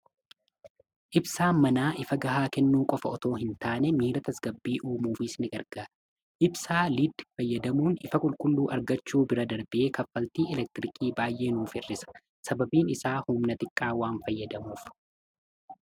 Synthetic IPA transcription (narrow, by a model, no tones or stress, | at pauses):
ʔɪbsaːmɐnaːʔɪfɐɡɐɦaːkɛnːuːkʼɔfɐɔt̪o̞ːɦɪnt̪aːnɛmiːɾɐt̪ʰɐsɡɐbːiːʔuːmuːfɪsnɪɡɐɾɡ̥aː | ʔɪbsaːlid̪fɐjːɐd̪ɐmuːnɪfɐkʼʊlkʼʊlːuːʔɐɾɡɐt͡ʃːuːbɪɾɐd̪ɐɾbɪʔe̞ːkɐfːɐlt̪iːɛlɛk̚t̪ɪɾɪkʰʼiːbaːjʔe̞ːnuːfɪrːɪsɐ̥ | sɐbɐbiːnɪsaːhʊmnɐt̪ɪkʼːaːwaːnfɐjːɐd̪ɐmuːf